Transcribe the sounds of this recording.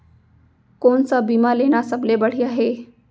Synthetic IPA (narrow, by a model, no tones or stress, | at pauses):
koɳsabiːmaleːnasəblebəɽ̤iaɦe